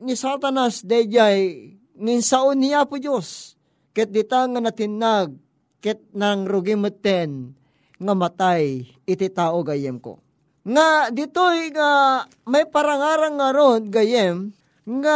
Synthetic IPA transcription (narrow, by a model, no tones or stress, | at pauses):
nisat̪anasd̪ɛd͡ʒaj | ŋaɪnsaʔonːɪjapʊd͡ʒos | kɛt̪̚d̪ɪt̪aŋanat̪ɪnːaɡ̚ | kɛt̪̚naŋɾoɡɪmʊt̪ːɛn | ŋamɐt̪aj | ɪt̪ɪt̪aːʔoɡajɛmko̰ | ŋad̪ɪt̪ojŋa | majpɐɾaŋaːɾaŋːaɾonɡajɛm | ŋa